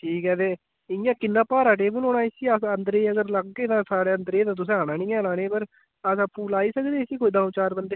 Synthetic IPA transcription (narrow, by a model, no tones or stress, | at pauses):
ʈʰiːkɛːd̪eː | ɪjãːkɪnːãːpaːɾaːʈ̬eːbuloːnaːiːsiːəsənd̪ɾeːəɡəɾləɡkeːt̪ãːsaːɽeːənd̪ɾeːt̪ãːt̪ʊs̬ẽːaːnãːnĩːɛ̃ːnãːnẽːpəɾ | əsəpũːlaːiːsəkd̪eːsiːkoiːd̪ãːt͡ʃaːɾbənd̪eː